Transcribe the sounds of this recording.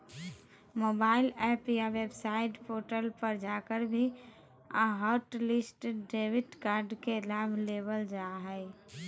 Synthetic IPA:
mobaɪlɛpjaʋebsaɪʈpoʈəlpəɾd͡ʒakəɾbʱi | a̰ɦəɾʈlisʈɖebiʈkaɾɖkelabʱlebəld͡ʒaɦəɪ

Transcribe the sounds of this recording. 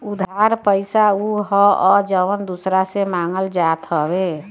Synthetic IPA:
ud̪ʱaɾpəɪsauɦɔɔd͡ʒəʋənd̪usɾasemaːŋɡəld͡ʒat̪ɦəbe

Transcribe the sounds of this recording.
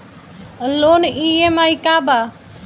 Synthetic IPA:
loːniemaikaːba

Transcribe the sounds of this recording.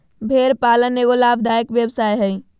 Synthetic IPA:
bʱeɾpaləneɡolabd̪ajkʋjəbsajɦəj

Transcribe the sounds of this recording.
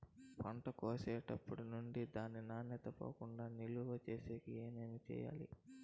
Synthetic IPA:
pɐɳʈɐkoːsɛːʈɐpːuɽunuɳɖid̪aːnːinaːnjɐt̪ɐpo̰ːkuɳɖaːniluʋɐt͡ʃeːseːkieːnenit͡ʃɛ̰ːja̰ːlḭ

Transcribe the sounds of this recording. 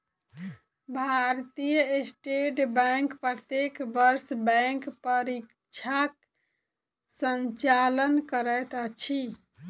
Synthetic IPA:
bʱaɾt̪ijəesʈeʈbɛŋkpɾət̪ekbəɾsbɛ̃ŋkpəɾik | t͡ʃʰak | səɲt͡ʃalənkəɾət̪ət͡ʃʰi

